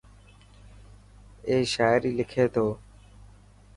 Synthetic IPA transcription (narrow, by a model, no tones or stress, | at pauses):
eːʃaːɪɾiːlɪkʰeːt̪ʰoː